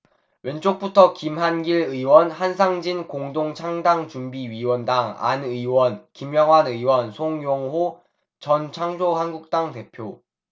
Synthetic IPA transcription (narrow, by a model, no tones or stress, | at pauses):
we̞nt͡ɕ͈ok̚p͈utʰʌkimɦanɡiɭɯiwʌnhansʰaŋd͡ʑinkoŋdoŋt͡ɕʰaŋdaŋt͡ɕumbiɥiwʌndaŋa̰nɯiwʌnkimjʌŋwanɯiwʌnsʰoŋjoŋɦo | t͡ɕʌnt͡ɕʰaŋd͡ʑohanɡuk̚t͈aŋte̞pʰjo